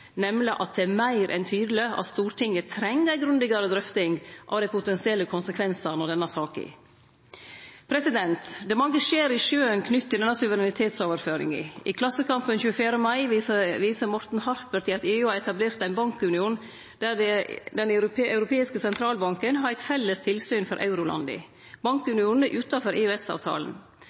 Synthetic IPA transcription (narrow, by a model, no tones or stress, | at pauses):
nɛmlɪʔɑ̰t̪̚d̪ɛæmæɪɾʔɛ̰nt̪ʰyːd̪əlɪʔɑ̰t̪st̪uːɾʈɪŋːət̪ʰɾɛŋːəɡɾʉnd̪ɪɡɑɾəd̪ɾœft̪ɪŋɡʔɑ̰ʋd̪æɪpʰʊt̪ɛnsɪɛlːəkʰʊnsəkʰʋɛnsənɔd̪ɛnɑsɑːkɪ̰ | pʰɾɛsɪd̪ɛnt̪d̪ɛːmɑŋːəʂeːɾɪʂøːənkʰnʏt̪ːɪld̪ɛnːɑsʉʋəɾɛnɪt̪ʰeːt̪soːʋəɾføːɾɪ̰ŋɪ̰ʔɪ̰kʰlɑsːəkɑmpənçʉːəfjæːɾəmɑɪʋiːsəɾmɔɾt̪n̩hɑɾpəɾt̪ʰɪlɑt̪eːʉːɑɾɛt̪ɑbleːɾt̪æɪnbɑŋkʉnɪuːn | d̪̥æɛd̪ɛnɑʉɾʊpʰeːɪskəsɛnt̪ʰɾɑːlbɑŋkənhɑɾæɪt̪fɛlːəst̪ʰɪlsyːnfɔɾʔɑ̰ʉɾʊlɑ̰nd̪ɪ̰ | bɑŋkʉnɪuːnnəʔʉːt̪ɑfɔɾʔeːøɛsɑ̰ːʋt̪ʰɑ̰ːlən